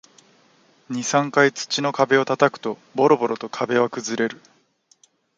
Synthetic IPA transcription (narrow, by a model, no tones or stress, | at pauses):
ɲ̟isãŋkait͡sɨ̥t͡ɕino̞kabe̞o̞t̪at̪akɯ̟̥t̪o̞bo̞ɾo̞bo̞ɾo̞t̪o̞kʰabe̞βakɯ̟zɨɾe̞ɾɯ̟